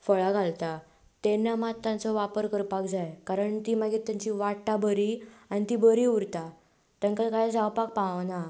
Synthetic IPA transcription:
fəɭaɡʱalt̪a | t̪enːamat̪ːãnt͡sɔʋapəɾkəɾpakd͡zajkaɾəɳt̪iːmaɡit̪jaɲt͡ɕiʋaʈːabəɾianit̪ibəɾiːuɾt̪a | t̪əŋkakaɦed͡zawpak̚pana

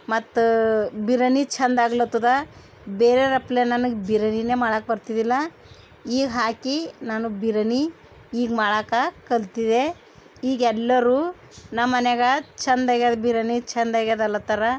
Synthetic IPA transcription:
mɐt̪ːbiɾɐnit͡ʃʰɐnd̪aːɡlot̪ːud̪ɐ | beːɾeɾɐplenɐnuɡbiɾɐnineːmaːɭak̚bɐɾt̪id̪ilːɐ | iːɡɦaːkinaːnubiɾɐni | iːɡmaːɭakakɐlt̪id̪e | iːɡɛlːɐɾuː | nɐmːɐnɛɡɐt͡ʃʰɐnd̪ɐɡad̪biɾɐnit͡ʃʰɐnd̪ɐɡad̪ɐlːɐt̪ɐɾɐ

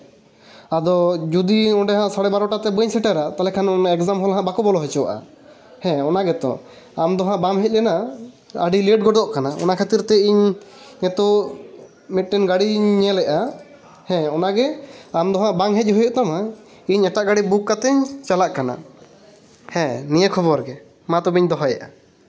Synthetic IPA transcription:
ad̪ɔd͡ʒud̪iɔ̃ɖɛɦãsaɽɛbaɾɔʈat̪ɛbəɲsɛʈɛɾat̪alɛkʰanɔnaɛkzamɦɔlɦãʔbakɔbɔlɔɦɛt͡ʃɔwa̰ʔa̰ | hɛ̃ɔnaɡɛt̪ɔ̰ | amd̪ɔɦãbamɦɛc̪̚lɛna | a̰ɖiliɖɡɔɖɔʔkanaɔ̰nakʰat̪iɾt̪ɛiɲːɛt̪ɔ | mɛt̪̚ˀʈɛnɡaɽiɲɛlɛʔa | hɛ̃ɔnaɡɛamd̪ɔɦãʔbaŋɦɛc̚ɦɔjɔʔt̪ama | iɲɛʈaʔɡaɽibukːat̪ɛɲt͡ʃalaʔkana̰ | hɛ̃nijəkʰɔbɔɾɡɛ | mat̪ɔbiɲd̪ɔɦajɛ̰ʔa̰

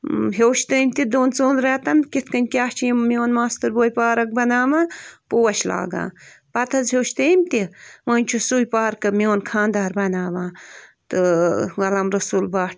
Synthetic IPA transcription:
ɦeːʃt̪ɨːmʲt̪id̪oːnt͡soːnɾeːt̪ɐnkit̪ʰkɐnʲkʲaːt͡ʃʰimjoːnmaːst̪ɨɾboːjpaːɾɐk̚bɐnaːmaːpoːwɐʃla̰ːɡa̰ː | pɐt̪ʰɐzɦeːʃt̪eːmt̪imɐnʲt͡ʃʰusujpaːɾkɐmijoːnkʰãːnd̪aːɾbɐnaːʋãːt̪ɨɣɐlɐmɾɐsuːlbaːʈ̚ʰ

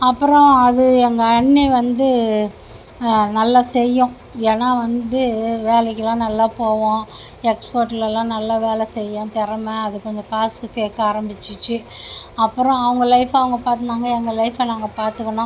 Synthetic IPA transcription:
ɐpːɯɾɔ̃ɐðɯɛŋɡɐɐɳːiʋɐnd̪ɯ | nɐlːasɛjːʊ̃ | eːnaːʋɐnd̪ɯʋeːlɛkːɯlãːnɐlːaːpoːʋõ | ɛkspoːɾʈɪlɐlãːnɐlːaʋeːlɛsɛjːɐ̃t̪ɪɾɐmɐɐðɯkːɔɲd͡ʒɔ̃kaːsɯkeːkːaːɾɐmbɪt͡ʃːɪt͡ʃːɯ | ɐpːɯɾɔ̃ɐʋɐŋɡɐlɐɪfaːʋɐŋɡɐpaːɾt̪ɯnaːŋɡɐɛŋɡɐlɐɪfɐnaːŋɡɐpaːɾt̪ɯkːɐɳõ

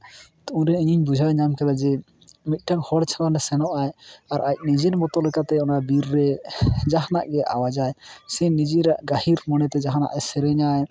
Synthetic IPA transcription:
t̪uɾɛiɲiɲbud͡ʒʱajɲamkɛd̪ad͡ʒɛ | mit̪̚ˀʈaŋhɔɽt͡ʃʰalanɛsɛnɔʔajaɾac̚nid͡ʒiɾmɔt̪ɔlɛkat̪ɛɔnabiɾːɛd͡ʒaɦnaʔɡɛʔa̰wad͡ʒajsɛnid͡ʒiɾaʔɡahiɾmɔnɛt̪ɛd͡ʒaɦana̰ʔɛsɛɾɛɲaj

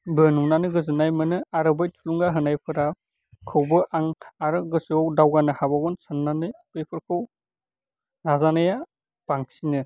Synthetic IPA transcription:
bɯnunanɯɡɯzɯnajmɯnɯaɾɯbɯjtʰuluŋɡaɦɯnajpʰɯɾa | kʰɯwbɯʔaŋaɾɯɡɯsɔwdawɡanɯhabaɡɔnsanːanɯapejpʰɯɾkʰɯw | nazanɯja | b̥aŋsinɯ

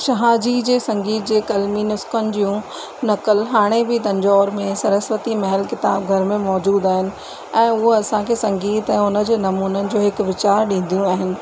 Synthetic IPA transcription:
ʃɐɦaːd͡ʑid͡ʑeːsɐ̃ŋɡiːt̪̚d͡ʑeːkɐlminʊskənɪ̆d͡ʑijũ | nɐkəlɦaːɽ̃ebɪt̪ɐ̃ɲd͡ʑɔːɾmẽsɐɾəsʋət̪imɐɦəlkɪt̪aːb̚ɡʱɐɾmẽmɔːd͡ʑuːd̪aːɦɪnɪ̆ | ɛ̃ːʊɦoɐsãkʰeːsɐ̃ŋɡiːt̪ɛ̃ːʊnə̆d͡ʑeːnɐmuːnənɪ̆d͡ʑoːɦɪkʋɪt͡ɕaːɾɗĩːn̆d̪ijũaːɦɪnɪ̆

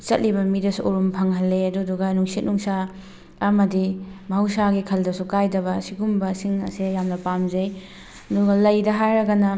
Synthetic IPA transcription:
t͡ʃɐt̚libɐmidɐsuʔoɾumpʰɐŋɦɐlːeɐduduɡɐnuŋsit̚nuŋsa | ɐmɐdimɐhɐwsaɡikʰɐldɐsukajdɐbɐsiɡumbɐsiŋɐ̰sijamnɐpamzɐj | ɐduɡɐlɐjdɐɦajɾɐɡɐnɐ

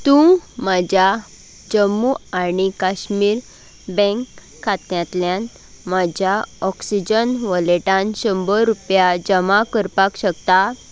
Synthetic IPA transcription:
t̪ũmad͡ʑja | d͡ʑəmːuaɽ̃ikaɕmiːɾ | bɛ̃ŋkʰː | at̪jãt̪ljãn | mad͡ʑjaɔksid͡ʑənʋəleʈãnɕəmbəɾupjad͡ʑəmakəɾpakɕəkt̪a

